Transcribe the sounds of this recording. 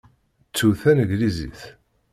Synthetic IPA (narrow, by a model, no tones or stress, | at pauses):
t͡sːuθænəʝlizḭθ